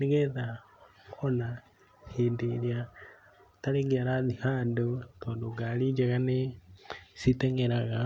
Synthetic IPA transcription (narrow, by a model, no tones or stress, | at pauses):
niɡeða | ona | hindilja | t̪aleɡiaɾaðihaːndotoːndoɡalid͡ʒeɣane | sit̪eŋeɾaɣa